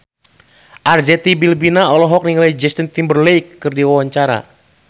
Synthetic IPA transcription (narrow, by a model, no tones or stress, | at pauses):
ʔard͡ʒɛt̪ibilbinaɔlɔɦɔk̚niŋalajd͡ʒɛst̪ənt̪imbərlɛjkːɨrdiwawaɲt͡ʃaɾa̰